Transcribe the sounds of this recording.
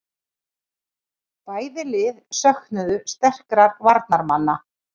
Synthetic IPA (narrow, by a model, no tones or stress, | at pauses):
paːjðɪlɪðsœhknʏðʏst̪ɛr̥kɾaɾvaɾt̪̚naɾmanːa